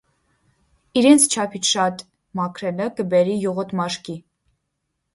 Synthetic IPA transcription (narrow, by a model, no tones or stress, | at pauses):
iɾɛnt͡sʰt͡ʃʰɑpʰit͡ʃʰʃɑt̪ | mɑkʰɾɛnəkəbɛɾijɔʁɔt̪mɑʃki